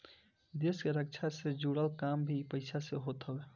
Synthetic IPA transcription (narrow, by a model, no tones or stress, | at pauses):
d̪eskeɾək̚t͡ʃʰased͡ʒuɽəlkambʱipəɪsʰaseɦot̪ɦəbe